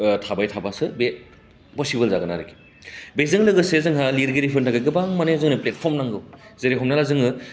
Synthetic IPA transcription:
tʰabajtʰabasɯbe | pɔsibɯlzaɡɯna̰ɾɯki̥ | bezɯŋlɯɡɯsezɯŋɦaliɾɡeɾipʰɯntʰaɡaɡɯbaŋmanezɯŋnɯplet̚pʰɔɾmnaŋɡɯwzeɾeɦɔmnalazɯŋɯ

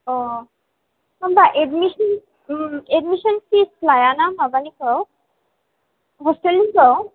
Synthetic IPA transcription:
ɔ | ambaʔeɖmiʃɔn | eɖmiʃɔnkisplajanamabanikɔ | ɦɔsʈelːikɔ

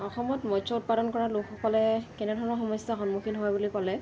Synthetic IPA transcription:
ɔxɔmɔtmɔsʰɔut̚padɔnkɔɹalukupʰɔlɛkɛnɛdʱɔɹɔnɔxɔmɔjsɔxɔnmukʰinɦɔjbulipalɛ

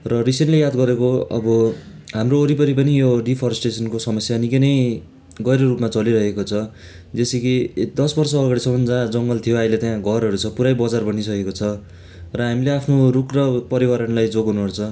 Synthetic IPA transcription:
rʌrisenʈlejad̪ɡʌɾekoʌ̰bʌ | ɦamroːɾipʌɾipʌnijoɖipʰʌɾʌsʈesʌnkosʌmʌsjanikʌjnʌj | ɡʌjɾʌrupmat͡sʌliɾʌɦekot͡sʰʌ | d͡zesekid̪ʌsbʌrsʌːɡaɽisʌmʌnd͡zad͡zʌŋɡʌlt̪ʰijoaijlet̪jãɡʱʌrɦʌɾut͡sʰʌpuɾajbʌd͡zarbʌnis̬ʌkekot͡sʰʌ | rʌɦamileapʰnorukrʌpʌɾibʌɾʌnlajd͡zoɡɦunuɦʌrt͡sʰʌ

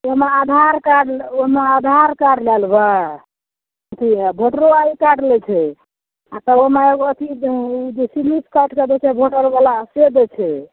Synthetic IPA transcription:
oɦmead̪ʱaɾkaɖoɦmead̪ʱaɾkaɖlɛlba | ət̪ʰiabʱoʈɾoaikaɽlɛt͡ʃʰɛ | at̪əomeeɡoət̪ʰid͡ʒesiliskaʈkəd̪ɛt͡ʃʰɛbʱoʈəɾbalased̪ɛt͡ʃʰɛ

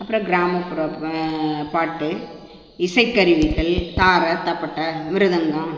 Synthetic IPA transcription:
ɐpːɯɾɐ̃ɡɪɾaːmɐpʊɾɐ | paːʈːɯ | ɪsɐɪkːɐɾɪʋɪɣɐɭt̪aːɾɐt̪ɐpːɐʈːɐmɪɾɯðɐŋɡɐ̃m

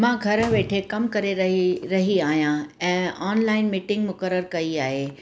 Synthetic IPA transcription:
mãːɡʱɐɾə̆ʋeːʈʰekɐmkɐɾeɾɐɾɐɦiaːɦijãɛ̃ːaːnlaːɪnmiːʈɪ̃ŋɡmʊkəɾːəɾkɐiaːɦeː

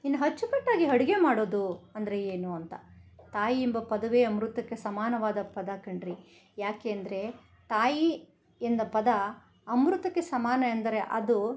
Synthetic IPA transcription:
inːɐɦɐt͡ʃːupɐʈːaːɡiɦɐɽiɡe̞maːɽoːd̪uɐnd̪ɐɾe̞eːnuɐnt̪ɐt̪aːjiimbɐpɐd̪ɐʋeɐmɾut̪ɐkːe̞sɐmaːnɐʋaːd̪ɐpɐd̪ɐkɐɳɖɾi | jaːkeːɐnd̪ɐɾe̞ | t̪aːji | end̪ɐpɐd̪ɐ | ɐmɾut̪ɐkːe̞sɐmaːnɐend̪ɐɾe̞ʔɐd̪u

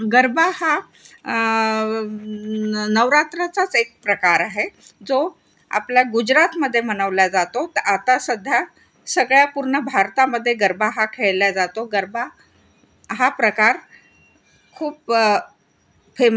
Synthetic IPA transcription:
ɡəɾbʱaha | nəʋɾat̪ɾat͡sat͡sek̚pɾəkaɾaɦed͡zo | a̰pljaɡud͡ʑɾat̪məd̪ʱːjemənəʋljad͡zat̪ot̪at̪asəd̪ʱja | səɡɭjapuɾɳəbʱaɾt̪aməd̪ʱːjeɡəɾbaɦakʰeɭljad͡zat̪oɡəɾba | ɦapɾəkaɾ | kʰuːp | fem

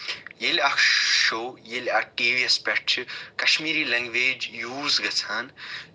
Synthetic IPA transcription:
jelɐkʃoːjelɐʈiːʋiɐspeʈ̚t͡ʃʰikɐʃmiːɾiːlɐŋɡʋeːd͡ʒjuːzɡɐt͡sʰaːn

